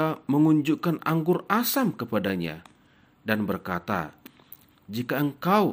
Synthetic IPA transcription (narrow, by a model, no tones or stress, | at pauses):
aməŋuɲd͡ʒukanaŋɡʊrasamkəpadaɲa̰ | danbərkat̪a̰ | d͡ʒikaəŋkaw